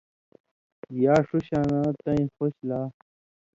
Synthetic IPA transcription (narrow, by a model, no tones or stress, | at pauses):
jaːʂuɕaːnãːt̪ɐĩxoɕlaː